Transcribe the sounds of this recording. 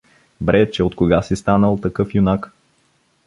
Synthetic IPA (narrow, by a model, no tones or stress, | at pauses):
bɾɛt͡ʃɛot̪koɡasist̪anəlˠt̪ɐkɤfjunak